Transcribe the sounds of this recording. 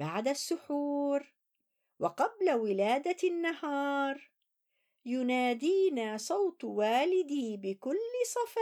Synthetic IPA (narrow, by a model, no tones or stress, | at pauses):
baʕd̪asːʊħuːɾ | wɑqɑblawɪlaːd̪anːahɑːɾˤ | jʊnaːd̪iːnaːsˤɑwt̪ˤwaːlɪd̪iːbɪkʊlːɪsˤɑfɑ